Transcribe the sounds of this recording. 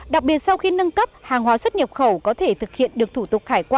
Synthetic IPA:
ɗa˨˩k̚ɓi˨˩ət̚sa˧wxi˧nə˧nkə˦˥p̚haː˨˩ŋɦwaː˨˦swə˦˥t̚ɲə˨˩p̚xə˧˩wkɔ˨˦t̪ʰe˧˩t̪ʰɨ˨˩k̚hḭ˧˨ənɗɨ˨˩ək̚t̪ʰu˧˩t̪ʊ˨˩k͡p̚xaː˧˩jkwaː˧

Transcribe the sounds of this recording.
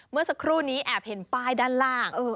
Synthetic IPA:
mɯ˥˩ɐsa˧kʰɾuː˥˩niː˦˥ʔɛː˨˩p̚he˩˦npaː˥˩jdaː˥˩nlaː˥˩ŋʔɤː˧˩

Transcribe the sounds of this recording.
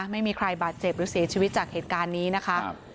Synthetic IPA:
ma˥˩jmiː˧kʰɾa˧jbaː˨˩t̪̚t͡ɕe˨˩p̚ɾɯː˨˦˥si˨˩˦t͡ɕʰiː˧wi˦˥t̪̚t͡ɕaː˨˩k̚heː˨˩t̪̚kaː˧nːiː˦˥na˦˥kʰa˦˥

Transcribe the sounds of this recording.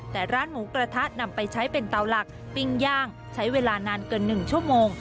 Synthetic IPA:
t̪ɛː˨˩ɾaː˦˥nmuː˩˦kɾa˧t̪ʰa˦˥t̪̚na˧mpa˧jt͡ɕʰa˦˥jpe˧nt̪a˧wla˨˩k̚ | pi˧ŋjaː˥˩ŋ | t͡ɕʰa˦˥jweː˧laː˧naː˧nkɤː˧nːɯ˨˩ŋt͡ɕʰu˥˩əmoː˧ŋ

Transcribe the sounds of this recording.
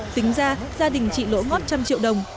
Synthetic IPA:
t̪ï˨˦ŋ̟zaː˧zaː˧ɗï˨˩ŋ̟t͡ɕḭ˧˨lo̰˧˥ŋɔ˦˥t̚t͡ɕa˧mt͡ɕḭ˧˨əwɗə˨˩wŋ͡m

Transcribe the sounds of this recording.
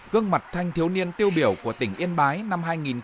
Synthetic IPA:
ɣɨ˧əŋma˨˩t̚t̪ʰa˧jŋ̟t̪ʰi˨˦əwni˧ənt̪i˧əwɓi˧˩əwku˧˩ət̪ï˧˩ŋʔi˧ənɓaː˨˦jna˧mɦaː˧jŋi˨˩n

